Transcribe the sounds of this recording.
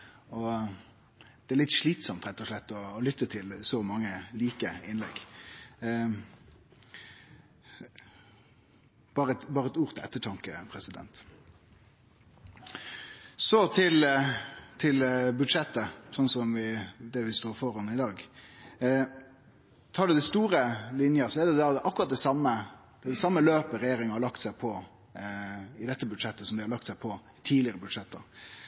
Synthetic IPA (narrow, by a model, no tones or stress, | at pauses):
ɔ | d̪̥ɛæɾɭɪt̪ʂɭiːt̪sɔmt̪ɾɛt̪ːɔʂlɛt̪ːɔːlʏt̪ːət̪ʰɪlsɔmɑŋːəliːkəɪnlɛ̰ɡ | b̥ɑːɾəɛt̪bɑːɾəɛt̪uːɾt̪ʰɪɛ̰t̪ːəʈʰɑŋkəpʰɾɛsɪd̪ɛ̰nt̪ | sɔt̪ʰɪl | t̪ʰɪlbʉd̪ʂɛt̪ːəsɔnːsɔmʋɪd̪ɛʋɪst̪oːfɔɾhɑnɪd̪ɑːɡ | t̪ʰɑːɖʉd̪æɪst̪uːɾəlɪnjəsɔɛd̪ɛd̪æd̪ɛʔɑkːʊɾɑt̪̚d̪ɛsɑmːə | d̪̥d̪ɛsɑmːəløːpəɾɛjeːɾɪŋəhɑɾɭɑkt̪sæɪpʰɔ | ɪd̪ɛt̪ːəbʉd̪ʂɛt̪ːəsɔmd̪ɪhɑɾɭlɑk̚t̪sæɪpʰɔ | t̪ʰiːlɪəɾəbʉd̪ʂɛt̪ːə̰